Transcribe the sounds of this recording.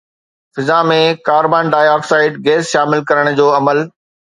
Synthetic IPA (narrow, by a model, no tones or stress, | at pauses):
fɪzamẽkaːɾbaːnɖaːjɔːksaːɪɖɡeːsʃaːmɪlkɐɾəɽ̃d͡ʑoːɐməl